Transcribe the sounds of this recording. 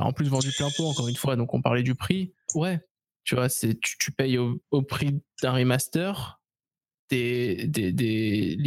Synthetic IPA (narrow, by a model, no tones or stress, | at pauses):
ɑ̰̃plys̬vɑ̃d̪yplɛ̃poɑ̃kɔʁynfwad̪ɔ̃kɔ̰̃paʁlɛd̪ypχiwɛ | t̪yvwasɛt̪y̥t̪ypɛjoopχid̪̥ɛ̃ʁimast̪œʁ | d̪̥ed̪ed̪el